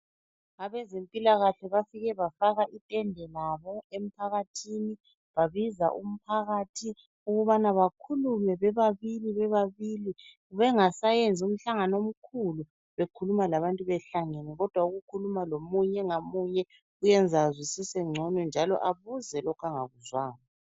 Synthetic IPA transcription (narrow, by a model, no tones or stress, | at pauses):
aβɛzempʼilaɣaɬɛβafiɣɛβafaɣaʔitʼɛndʱɛlaβɔem̩pʰaɣatʰini | βaβiza̰ʔum̩pʰaɣaːtʰi | uɣuβanaβakʰulumɛβɛβaβiliβɛβaβili | βɛŋasajend͡zʱium̩ɬaŋanom̩kʰulu | βekʰulumalaβantʼuβɛɬaŋenɛɣɔd̥ʱwauɣukʰulumalomuɲɛŋamuɲɛ | ɣujɛnd͡zʱazisisɛŋ͡ǀʱɔnɔnd͡ʒʱalɔ̰ʔaβuzɛlɔkʰaŋaɣuzwaːŋɔ